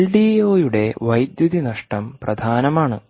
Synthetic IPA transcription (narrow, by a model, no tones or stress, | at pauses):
ɭɖiːjo̞ːjuɽe̞ʋɐjd̪juðinɐʂʈɐmprɐd̪ʱaːnɐmaːɳɨ